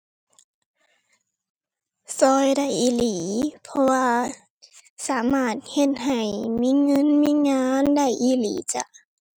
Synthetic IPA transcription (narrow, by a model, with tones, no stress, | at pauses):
sɔː˧jda˧˩jʔiː˧˩˨liː˨˩˦pʰɔ˧waː˧ | saː˩˦maː˧˥˩t̪̚he˧˥t̪̚ha˨˩jmiː˧˥˨ŋɤ˧˥˨nmiː˧˥˨ŋaː˧˥nda˧˩jʔiː˧˥˩lḭː˨˦t͡ɕa̰˧˩ʔ